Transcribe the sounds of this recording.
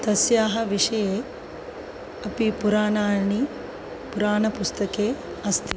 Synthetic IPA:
t̪ɐsjaːɦɐʋiʂɐjeː | ɐpipuɾaːnaːni | puɾaːnɐpust̪ɐkeː | ɐst̪i

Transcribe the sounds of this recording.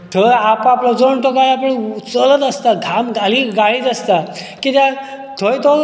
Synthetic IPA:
t̪ʰəapaplɔd͡zoɳt̪okajapəɳt͡sələt̪əst̪aɡʱamɡaliːɡaɭiːt̪əst̪a | kit̪jã | t̪ʰojt̪o

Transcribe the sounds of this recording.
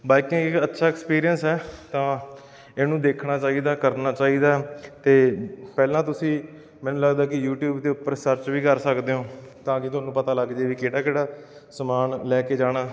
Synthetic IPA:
baːikĩːɪkətːʃʰaːɛːkspiːɾijənsɛːt̪ãː | eːnũːd̪eːkʰɳaːt͡ʃaːiːd̪aːkəɾnaːt͡ʃaːiːd̪aːt̪eːpɛːlãːt̪ʊsĩː | mɛ̃ːnũːləɡd̪aːkɪjuːʈjuːbd̪eːʊpːəɾsəɾt͡ʃʋiːkəɾsəkd̪eːɦõːt̪ãːkɪt̪ʊɦaːnũːpət̪aːləɡd͡ʒeːʋiːkeːɽaːkeːɽaː | səmaːnlɛːkeːd͡ʒaːɽ̃aː

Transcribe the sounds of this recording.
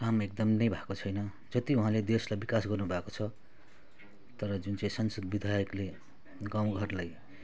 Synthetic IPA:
kamek̚d̪ʌmnʌjbʱakot͡sʰʌjnʌ | d͡zʌt̪iũɦãled̪eslajbikasɡʌrnubʱakot͡sʰʌ | t̪ʌɾʌd͡zunt͡saĩsʌnsʌd̪bid̪ʱajʌkle | ɡãw̃ɡʱʌrlaj

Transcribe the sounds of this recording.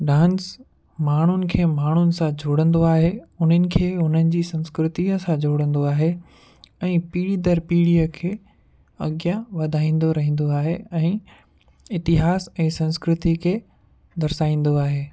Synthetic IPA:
ɖãːns | maːɳ̤ʊnɪ̆kʰeːmaːɳ̤ʊnɪ̆sãd͡ʑʱoːɽə̃nd̪oaːɦeʊn̤ənɪ̆kʰeːʊn̤ənɪ̆d͡ʑiːsɐ̃nskɾɪt̪iəsãd͡ʑʱoːɽə̃nd̪oaːɦe | ɛ̃ːpiːɽid̪əɾpiːɽijəkʰeː | ɐɡjaʋɐd̪ʱaːĩːn̆d̪oɾɐɦĩːn̆d̪oaːɦeɛ̃ː | ɪt̪ɪɦaːsɛ̃ːsɐ̃nskɾɪt̪ikʰeː | d̪ɐɾsaːĩːn̆d̪oaːɦeː

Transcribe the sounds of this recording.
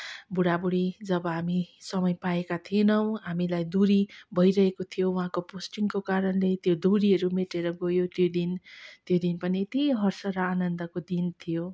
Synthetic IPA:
buɽabuɽid͡zʌbʌɦamisʌmʌjpaekat̪ʰienʌw̃ɦamilajd̪uɾibʱʌjɾʌɦekot̪ʰijouɦãkoposʈiŋkokaɾʌnlet̪jod̪uɾiɦʌɾumeʈeɾʌɡojot̪jod̪int̪jod̪inpʌniet̪iɦʌrsʌɾʌanʌnd̪ʌkod̪int̪ʰijo

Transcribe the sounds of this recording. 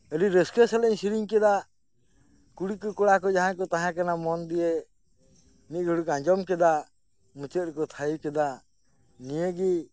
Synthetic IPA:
əliɾɛskesɛlɛɲsiɾiŋkɛd̪a | kuɽikɔkɔɽakɔd͡ʒaɦãkɔt̪aɦãkanamɔnd̪ije | nit̪̚ˀɡʱuɽukãɲd͡ʒɔmkɛd̪a | mũt͡ʃət̪̚ɾkɔt̪ʰajikɛd̪a | nijeɡi

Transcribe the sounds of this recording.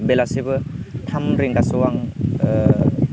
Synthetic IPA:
belasibɯtʰamɾiŋɡasuwaŋ

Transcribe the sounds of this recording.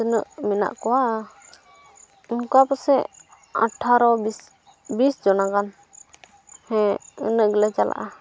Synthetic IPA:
tənəʔmina̰ʔkɔwaʔ | unkɔapɔsɛ | a̰ʈʰaɾɔis | bisd͡ʒɔnakan | hɛ̃ə̰nəʔɡlɛt͡ʃalʔa̰ʔa

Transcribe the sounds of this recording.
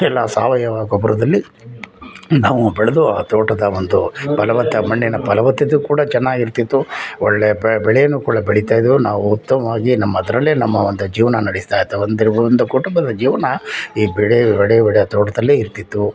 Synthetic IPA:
ɛlːaːsaːʋɐjɐʋaːɡobɐɾɐd̪ɐlːi | naːʋubɛɭed̪uaːt̪ɔːʈɐd̪ɐond̪upɐlɐʋɐt̪ːɐmɐɳːinɐpɐlɐʋɐt̪ːɐd̪ukuːɽɐt͡ʃɛnːaːɡiɾt̪it̪ːuɔɭːejɐbɐbɛɭɛjɐnːuːkuːɽɐbɛɭit̪aːjd̪ʋunaːʋuut̪ːɐmɐʋaːɡinɐmːɐd̪ɐɾɐlːeːnɐmːɐond̪ud͡ʒiːʋɐnɐnɐɽisi̥t̪aːjt̪ːɐʋɐnd̪ɾind̪ukuʈumbɐd̪ɐd͡ʒiːʋɐnɐiːbɛɭebɛɭɛjɐbɛɭɛjɐt̪ɔːʈɐd̪ɐlːeiɾt̪it̪ːu

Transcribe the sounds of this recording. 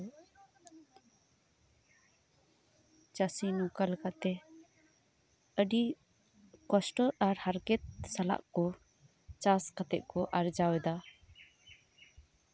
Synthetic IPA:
t͡ʃasinɔkalkat̪ɛ | əɖi | kɔsʈɔɾaɾhaɾkɛt̪̚sala̰ʔkɔ | t͡ʃaskat̪ɛ̰ʔ̚kɔʔaɾd͡ʒawɛd̪a

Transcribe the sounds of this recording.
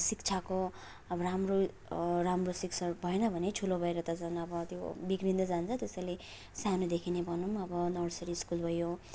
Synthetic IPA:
sik̚t͡sʰako | ʌbʌɾamro | ramrosikt͡sʰʌbʱʌenʌbʱʌnetʰulobʱʌeɾʌt̪ʌd͡zʌnʌbʌt̪jobiɡrind̪ʌd͡zant͡sʰʌt̪esʌjle | sanud̪ekʰinebʱʌnumʌbʌnʌɾsʌɾiːskulbʱʌjo

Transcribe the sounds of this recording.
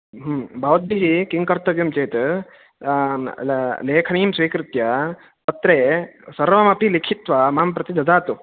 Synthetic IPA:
ɦmbʱɐʋɐd̪iɦikiŋkɐɾt̪ɐʋjɐmt͡ʃeːt̪ | leːkʰɐniːmsʋiːkɾɪt̪jɐ | p̪ɐt̪ɾeːsɐɾʋɐmɐpilikʰit̪ʋɐmaːmpɾɐt̪id̪ɐd̪aːt̪u

